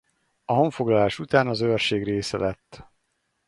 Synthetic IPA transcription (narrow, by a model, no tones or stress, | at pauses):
ɒɦo̞ɱfo̞ɡlɒlaːʃut̪aːnɒzørʃeːɡreːsɛ̰lɛt̪ː